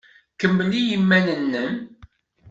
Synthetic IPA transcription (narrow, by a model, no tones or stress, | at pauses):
kəmːlijimːænənːən